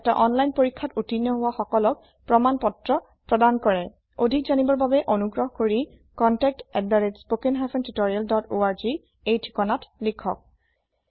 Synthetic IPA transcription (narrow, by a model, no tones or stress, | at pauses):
ɛta̰ʔɔnlajnpoɹikʰːatutinjɔɦʊwaxɔkɔlɔk̚ | pɹɔmanpɔtɹɔ | pɹɔdankɔɹɛ | odʱikzanibɔɹbabɛʔonuɡɹɔɦkoɹi | kɔntɛk̚tɛddaɹetspokɛnɦafʰɛntutoɹialdɔtoaɹzi | ejtʰi̥kɔnatlikʰɔk̚